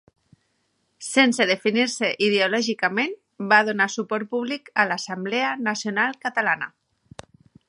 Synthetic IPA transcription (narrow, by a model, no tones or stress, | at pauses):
senseð̞efiniɾseʔið̞eolɔʒikamen | baðonasupɔɾt̪̚puβlikəlasambleanasjonalˠkat̪alana̰